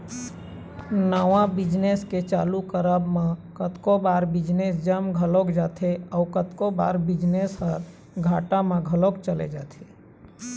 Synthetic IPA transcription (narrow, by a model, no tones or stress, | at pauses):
naːʋãbɪd͡ʒnesket͡ʃaːlukəɾəbmãkət̪kobaːɾbɪd͡ʒnesd͡ʒəmɡʱəlokd͡ʒaːt̪ʰeɔːkət̪koba̰ːɾbɪd͡ʒnesɦəɾ | ɡʱaːʈamãɡʱəlokt͡ʃəlḛd͡ʒaːt̪ʰeː